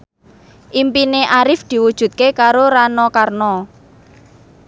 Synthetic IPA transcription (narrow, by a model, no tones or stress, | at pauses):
ʔimpineʔaɾɪfd̪̥i̤wud̥ʒ̥ṳt̪̚kekaɾoɾanɔkarnɔ